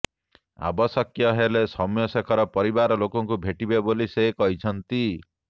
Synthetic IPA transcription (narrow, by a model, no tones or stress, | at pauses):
a̰bɔsɔkjɔɦelesɔmjɔsekʰɔɾɔpɔɾibaɾɔlokɔŋkubʱeʈibebolisekɔɦit͡ʃʰɔnt̪i